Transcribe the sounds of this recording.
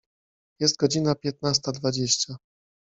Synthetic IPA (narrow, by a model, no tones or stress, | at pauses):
jɛst̪̚ɡɔd͡ʑinapʲjɛt̪nast̪ad̪vad͡ʑeɕt͡ɕa